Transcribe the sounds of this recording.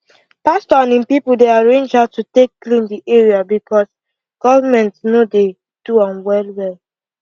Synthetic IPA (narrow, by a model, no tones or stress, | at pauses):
pastɔnĩnpipuldeaɹẽnd͡ʒatutekːlĩndiʔeɹiabikɔs | ɡ̥ɔvamɛ̃ntnode | d̥uɔ̃nwɛlwɛl